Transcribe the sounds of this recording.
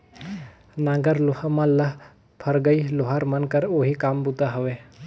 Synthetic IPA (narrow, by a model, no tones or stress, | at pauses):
nãːɡəɾluhəmɐlːəɦ | pʰəɾɡəiloɦaɾmənkəɾoɦikaːmbut̪aɦəʋe